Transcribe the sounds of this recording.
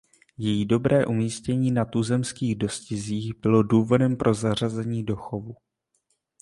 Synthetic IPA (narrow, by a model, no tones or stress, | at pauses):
jɛjido̞bɾɛːʔumiːscɛɲiːnat̪uzɛmskiːɣdo̞scɪziːɣbɪlo̞duːvo̞dɛmpɾʔo̞zar̝azɛɲiːdo̞xovu